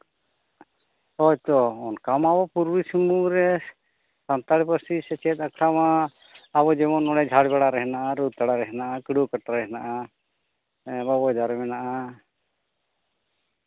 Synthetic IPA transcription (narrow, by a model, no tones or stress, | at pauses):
hɔjt̪ɔɔnkamabɔpuɾbisəmuɾɛ | sant̪aɽipəsisɛt͡ʃɛt̪̚akʰɾamã | abɔd͡ʒɛmɔnːɔɽɛd͡ʒʱaɽbɛɽaɾɛɦɛnaʔaɾut̪ːaɽaɾɛɦɛnaʔakiɽukəʈaɾɛɦɛnaʔa | babɔjd̪aɾɛmɛnaʔa